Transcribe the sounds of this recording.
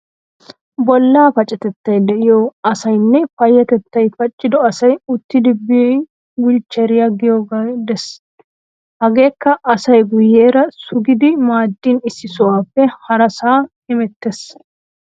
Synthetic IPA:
bɔlːaːfɐt͡ʃʼːɛt̪ɛt̪ːɐjd̪ɛʔɪjoɐsɐjnːɛfɐjːɐt̪ɛt̪ːɐjfɐt͡ʃʼːɪd̪ɔɐsɐjʊt̪ːɪd̪ɪbːɪjɔj | wɪlt͡ʃːɛɾɪjɐɡɪjoɡad̪ɛs | hɐɡe̞ːkːɐʔɐsɐjɡʊjːeːɾɐsʊɡɪd̪ɪmaːd̪ːinɪsːɪsʊwaːfːɛhɐɾɐsaː | ɪmɛt̪ːes

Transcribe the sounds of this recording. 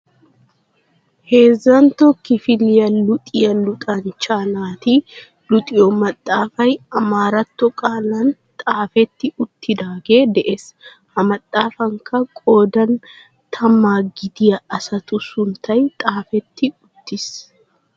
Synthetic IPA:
he̞ːzːɐnt̪ɔkːɪfɪlɪjɐlʊt̪ʼɪjɐlʊt̪ʼɐnt͡ʃːaːnaːt̪iː | lʊt̪ʼɪjɔmɐt̪ʼːaːfɐjɐmaːɾɐt̪ːɔkʼaːlɐn | t̪ʼaːfɛt̪ːɪʊt̪ːɪd̪aːɡe̞ːd̪ɛʔes | hɐmɐt̪ʼːaːfɐŋkɐkʼo̞ːd̪ɐn | t̪ʰɐmːaːɡɪd̪ɪjɐɐsɐt̪ʊsʊnt̪ʰɐjt̪ʼaːfɛt̪ːɪʊt̪ːɪs

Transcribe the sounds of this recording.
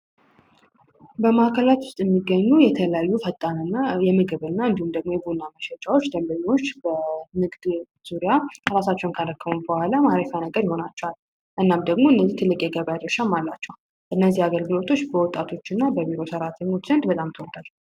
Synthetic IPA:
bəmakʰəlat̪wʊst̪ʼjɛmːiɡːəɲːujɛt̪ʰələjajːufət̪ʼːanɨnːajɛmɨɡɨβɨnːaɨnd̪ihumd̪əɡ̚mo̞jɛbunːaməʃɛt͡ʃʼawo̞t͡ʃːd̪əmbəɲːo̞t͡ʃːbəmɨɡd̪ | z̥uɾijaɾasat͡ʃːɛwnkʰaləkːəβubəhʷalamaɾəfanəɡəɾjɪho̞nat͡ʃːɛwalː | ʔɨnːamd̪əɡmoɨnːəzːiht̪ʰɨlːɨkʼjɛɡəβjad̪ɾəʃamːalːat͡ʃːɛw | ʔɨnːəzːihaɡəlɡɨlo̞t̪ʰo̞t͡ʃːbəwɔt̪ʼːat̪ʰo̞t͡ʃːɨnːabəbiɾo̞səɾat̪ʰəɲːot͡ʃːzənd̪bət̪ʼamt̪ʰəwɔɡal

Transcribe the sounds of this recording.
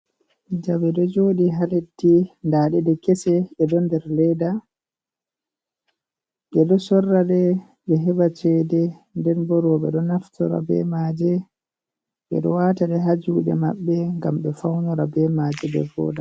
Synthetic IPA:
d͡ʒabɛɗɔd͡ʒoːɗiɦaletːindaːɗɛdɛkɛsɛɛdɔndɛɾlɛda | ɓɛɗɔsɔrːaɗɛ | ɓɛɦɛbat͡ʃɛdɛndɛnbɔɾɔɓɛ̰ɗɔnaftɔɾa̰bɛ̰maːd͡ʒɛ | ɓɛ̰ɗɔ̰waːtaɗɛɦad͡ʒuːɗɛ̰maɓːɛŋɡamɓɛfawnɔɾabɛmad͡ʒɛbɛ̰vɔ̰ːda

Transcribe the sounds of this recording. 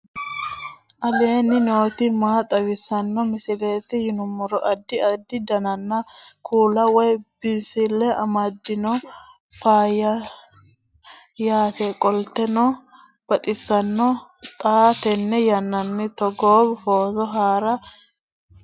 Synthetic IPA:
ʔɐleːnːɪno̞ːt̪ɪmaːt̪ʼɐwɪsːɐnːɔmɪsɪleːt̪ɪjɪnʊmːɔɾɔʔɐd̪ːɪɐd̪ːɪd̪ɐnɐnːɐkuːlɐwɔjb̥ɪsɪlːɛɐmɐd̪ːɪnɔ | faːjɐ | jaːt̪ɛkʼɔlt̪ɛnɔ | b̥ɐt̪ʼɪsːɐnːɔt̪ʼaːt̪ɛnːɛjɐnːɐnːɪt̪ɔɡoːbfoːzɔɦaːɾɐ

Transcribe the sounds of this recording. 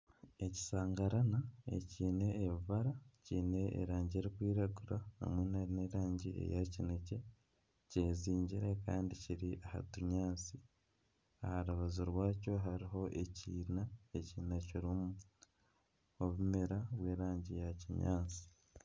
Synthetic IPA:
e̞ci̥saːŋɡaɾanae̞̰ciːne̞ːβvaɾaciːne̞̰ːɾaːɲɟeɾikwiːɾaɡuɾaha̰mwenaɾineɾaːɲɟiḛjacinece̞ | ceːziːɲɟiɾe̞ka̰ːndiciɾiʔaha̰tuɲaːnt͡si | ahaɾuβazuɾwaːco̞ɦaɾiɦo̞ʔe̞ciːnaeciːnaciɾumu | oβumeɾaβwe̞ːɾaːɲɟijaciɲa̰ːnt͡si̥

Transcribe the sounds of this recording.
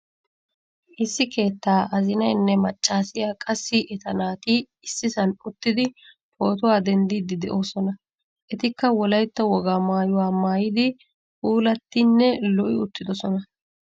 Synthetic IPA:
ʔɪsːɪke̞ːt̪ːaːʔɐzɪnɐjnːɛmɐt͡ʃʼːaːsɪjaːkʼɐsːɪʔɛt̪ɐnaːt̪ɪ | ɪsːɪsɐnʊt̪ːɪd̪ɪ | pʰo̞ːt̪ʊwaːd̪ɛnd̪iːd̪ɪd̪ɛʔo̞ːsɔnɐ | ʔɛt̪ɪkːɐwɔlɐjt̪ːɐwɔɡaːmaːjʊwaːmaːjɪd̪ɪ | fuːlɐt̪ːɪnːɛlɔʔɪʊt̪ːɪd̪ɔsɔnɐ

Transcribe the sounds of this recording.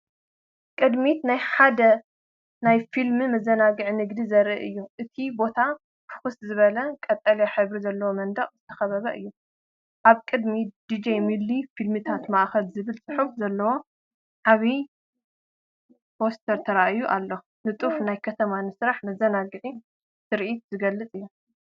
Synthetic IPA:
kʼɨd̪mit̪najħad̪ɐ | najfilmɨmɐzːɐnaɡɨʕinɨɡd̪izɐɾiʔɨjːuʔɨt̪ʰibo̞t̪ʰa | fʰɨ̥xɨszɨβɐlɐkʼɐt̪ʼːɐleħɨβɾizɐlːɐwomɐnd̪ɐχʼzɨt̪ʰɐ̥xɐβɐβɐʔɨjːu | ʔaβkʼɨd̪mid̪̥id͡ʒejmilːifilmɨt̪ʰat̪maʔxɐlzɨβɨlsʼɨħufzɐlːɐwo̞ | ʕaβi | bost̪ʰɐɾt̪ʰɐɾaʔɨjːuʔalːo | nɨt̪ʼufnajkʰɐt̪ʰɐmanɨsɾaħmɐzɐnaɡɨʕi | sɨɾʔit̪zɨɡɐlːɨt͡sʼɨjːu

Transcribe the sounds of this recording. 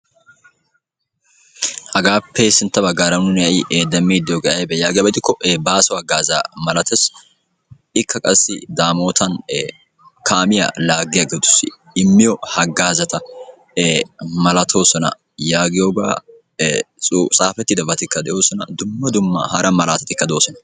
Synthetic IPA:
hɐɡaːpʰeːsɪnt̪ːɐbɐɡːaːɾɐnʊnjɐʔjɪʔd̪ɐmːiːd̪ɪjoːɡɐɐjbɛjaːɡɪjɐbɛt̪ɪkːɔʔebaːsɔhɐɡaːza̰ːmɐlɐt̪ɛs | ɪkːɐkʼɐsːɪd̪aːmo̞ːt̪ʰɐn | kʰaːmɪjɐ̰laːɡːɪjɐɡeːt̪ʊ̥sɪ | ɪmːɪjɔhɐɡaːzɐt̪ɐ | mɐlɐt̪ʰo̞ːsɔnɐ̰ | jaːɡɪjoːɡa̰ː | sʼusʼaːfɛt̪ːɪd̪ɐbɐt̪ɪkːɐd̪ɛʔjo̞ːsɔnɐ̰d̪ʊmːɐd̪ʊmːɐ̰hɐɾɐmɐlaːt̪ɐt̪ɪkːɐd̪o̞ːsɔnɐ

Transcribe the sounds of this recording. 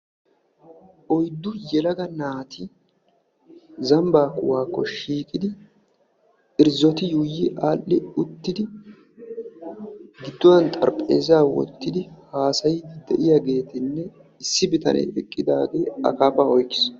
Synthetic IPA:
ʔɔjd̪ːʊjɛlɐɡɐnaːt̪ʰɪ | zɐmbaːkːʊwaːkːɔʃiːkʼɪd̪ɪ | ɪɾzɔt̪ɪjuːjɪʔaːʔːɪʊt̪ːɪd̪ɪ | ɡɪd̪ːɔwɐnt̪ʼɐ̰ɾpʼḛːzaːwɔ̰t̪ːɪd̪ɪhaːsɐjɪd̪d̪ɛʔɪjaɡe̞ːt̪ɪnːɛ | ɪsːɪbɪt̪ɐ̰nʔɛ̰jɛkʼːɪd̪aːɡe̞ːɐ̰kaːpaɔjkːɪ̥s

